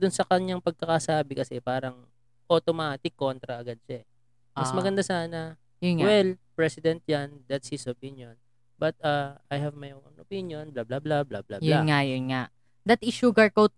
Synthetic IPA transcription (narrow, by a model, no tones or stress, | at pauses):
d̪ʊnsɐkɐɲaŋpɐɡ̚kɐkasaːbɪkɐsɛpaːɾɐŋ | ʔot̪omaːt̪ɪkːo̞nt̪ɾɐʔɐɡad̪̚ʃaɛ | mɐsmɐɡɐnd̪asaːnɐ | jʊwɛlpɹɛsɪd̪ɛnt̪̚jand̪at̪shɪsopinjon | bɐt̪̚aːʔɐjhɐvmɐjʔoʔonʔopinjo̞nblablablablablabjʊanŋajʊnŋaʔ | d̪ɐt̪ɪʃuɡɐɹkowt̪̚